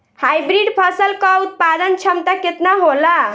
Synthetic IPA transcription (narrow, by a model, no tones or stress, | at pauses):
hajbɾiɖpʰəsəlkəut̪̚pad̪ənt͡ʃʰəmt̪aket̪naɦola